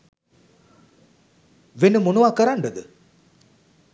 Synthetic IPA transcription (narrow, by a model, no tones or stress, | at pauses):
ʋenəmonuʋakəɾaɳɖəɡ̪ə